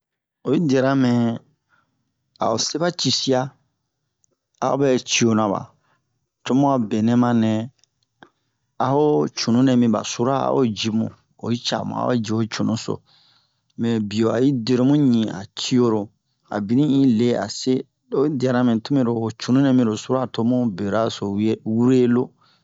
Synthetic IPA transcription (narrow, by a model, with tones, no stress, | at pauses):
o˨ji˦dɛ˨ɾa˦mɛ̃˨ | a̰˨o˨se˦ba˦t͡ʃi˦si˦a˦ | a̰˨o˦bɛ˦t͡ʃi˦o˦nã˨ba̰˨ | to˦mũ˦a˨bɛ˨nɛ̃˦mã˦nɛ̃˨ | a˨ho˦t͡ʃu˨nũ˦nɛ̃˨mĩ˨ba̰˨su˦ɾa˦a̰˦ʔo̰˦d͡ʒi˨mṵ̃˨ | o̰˨i˦t͡ʃa̰˨mṵ̃˨a̰˦o̰˦d͡ʒi˨o˨t͡ʃu˨nũ˦so̰˨ | mɛ̃˨bi˨o˨a̰˨ji˦de˦ɾo˦mũ˦ɲĩ˨a̰˨t͡ʃi˦o˧ɾo˨ | a̰˨bi˨nĩ˦ĩ˦le˦a̰˨se˦ | o˦di˨a˨ɾã˦mɛ̃˨tu˦mẽ˦ɾo˨o˨t͡ʃu˨nũ˦nɛ̃˨mĩ˦ɾo˨su˦ɾa˦˨to˦mũ˦be˨ɾa˦so˨˦wu˦ɾe˦lo˦